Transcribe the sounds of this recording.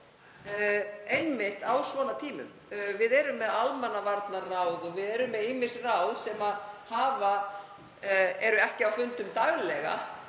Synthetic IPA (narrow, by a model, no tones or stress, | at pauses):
ejnmɪht̪awsvɔːnat̪ʰiːmʏ̰m | vɪðɛɾʏmːɛðalmanːavaɾt̪naraːwðɔɣvɪðɛɾʏmːɛðijmɪ̥srawðsɛmahaːva | ɛɾʏɛhcɪawfʏnt̪ʏmt̪aɣlɛɣa̰